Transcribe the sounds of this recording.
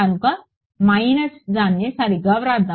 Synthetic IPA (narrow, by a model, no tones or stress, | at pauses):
anuka | mainəsd͡zanjesaɾiɡəʋɾat̪d͡za